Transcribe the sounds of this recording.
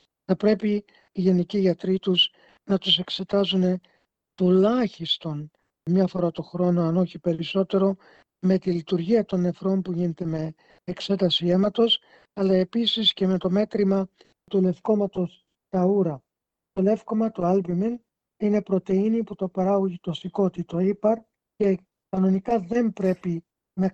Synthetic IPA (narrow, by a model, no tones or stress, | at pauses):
θɐpɾe̞piː | ʝe̞niciʝɐt̪ɾit̪uz | nɐt̪use̞kse̞t̪ɐzune̞ | t̪ulɐçist̪o̞n | mɲɐfo̞ɾɐt̪o̞xɾo̞no̞ɐno̞çipe̞ɾiso̞t̪e̞ɾo̞ | me̞t̪ilit̪uɾʝiɐt̪o̞nːe̞fɾo̞mpuʝine̞t̪e̞me̞ː | kse̞t̪ɐsie̞mɐt̪o̞s | ɐlɐe̞pisisce̞me̞t̪o̞me̞t̪ɾimɐ | t̪ule̞fko̞mɐt̪o̞s | t̪ɐuɾɐ | t̪o̞le̞fko̞mɐt̪oɐlbimin | ine̞pɾo̞t̪e̞iniput̪opɐɾɐɣuʝit̪osiko̞t̪it̪oipɐɾ | ce̞ | kɐno̞nikɐðe̞mpɾe̞pi | nɐ